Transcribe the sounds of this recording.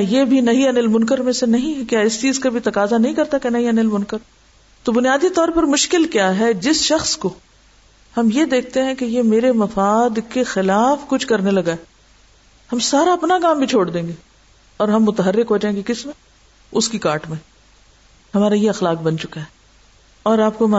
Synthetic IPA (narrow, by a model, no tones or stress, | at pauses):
jebʱinɐɦiɐnɪlmʊ̃nkəɾmẽsenɐɦĩɦɛkjaːɪst͡ʃiːzkabʱit̪ɐkaːzanɐɦĩkɐɾt̪akenɐɦĩɐnɪlmʊnkəɾ | t̪obʊnjaːd̪it̪ɔːɾpɐɾmʊʃkɪlkjaːɦɛd͡ʒɪsʃɐxsko | hɐmjed̪eːk̚ʰt̪eɦɛ̃kejemeːɾemɐfaːd̪kexɪlaːfkʊt͡ʃʰkɐɾnelɐɡae | hɐmsaːɾaɐpnaɡãːmbʱit͡ʃʰoːɽd̪ẽːŋɡe | ɔːɾɦɐmːʊt̪əɦərːɪkɦoːd͡ʒaẽːkekɪsm | ʊskikaːɾʈmẽ | hɐmaːɾajeɐxlaːk̚bɐnt͡ʃʊkaɦɛ | ɔːɾaːp̚koma